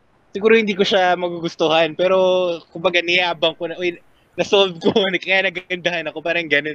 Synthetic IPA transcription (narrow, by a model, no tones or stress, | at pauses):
sɪɡuːɾohɪnd̪iːkoʃamɐɡuɡʊst̪ohɐnpɛːɾo̞kʊmbɐɡanɪjaːbɐŋko̞nɐʔoj | nɐsolb̚konkɐjaːnɐɡɡɐnd̪ɐhanɐko̞paːɾɐŋɡɐno̞n